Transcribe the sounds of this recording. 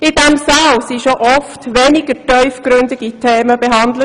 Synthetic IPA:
ɪdɛmsawsiʃoʔɔftʋenɪɡ̥ətœʏfɡɾʏndɪɡitʰeːməbeɦɑndlə

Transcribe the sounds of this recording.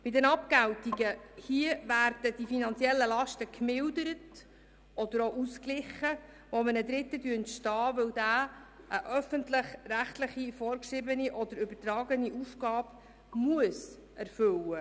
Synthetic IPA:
b̥ɪdɛnɑpkæwtiɡəhiəvæːrd̥əd̥ifinɑnt͡siɛlːəlɑʃtəkmɪldəɾət | ɔd̪əɾoːʔusklɪχə | ʋɔmənəd̪ɾɪt̪ːədyəntʃtɑːʋɵwd̪æː | ʔəʔœfəntləχræχtləχifɔːɾkʃɾɪbəniʔɔd̪əɾʏbəɾtɾɑːɡəniʔufɡ̥ɑːb | muəs | ʔæɾfɵwə

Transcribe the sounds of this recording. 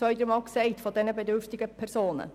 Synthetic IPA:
œʏdəɾmɑːlksɛɪtfɔdɛnəbɛdʏɾftɪɡəpʰɛɾsoːnə̰

